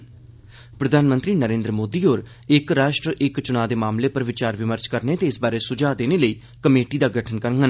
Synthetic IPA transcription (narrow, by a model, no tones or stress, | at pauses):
pɾəd̪ʱaːnmə̃nt̪ɾiːnəɾẽːnd̪ɾəmoːd̪iːɦoːɾ | ɪkɾaːʃʈɾəʔɪkt͡ʃʊnaːd̪eːmaːmleːpəɾʋɪt͡ʃaːɾʋɪməɾt͡ʃkəɾneːt̪eːsbaːɾeːsʊd͡ʒaːd̪eːneːləiː | kəmeːʈiːd̪aːɡəʈʰənkəɾŋɡən